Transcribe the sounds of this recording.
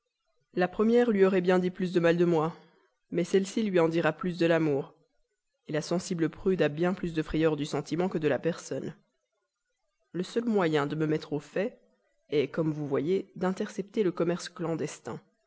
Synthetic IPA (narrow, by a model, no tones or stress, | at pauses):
lapχəmjɛʁlɥiɔʁɛbjɛ̃d̪iplys̬d̪əmald̪əmwa | mɛsɛlsilɥiɑ̃d̪iʁaplys̬d̪əlamuːʁ | elasɑ̃sibləpχyd̪abjɛ̃plysd̪əfχɛjœʁd̪ysɑ̃t̪imɑ̃kəd̪əlapɛʁsɔn | ləsœlmwajɛ̃d̪əməmɛt̪χofɛ | ɛkɔmvuvwajed̪ɛ̃t̪ɛʁsɛpt̪eləkɔmɛʁsklɑ̃d̪ɛst̪ɛ̰̃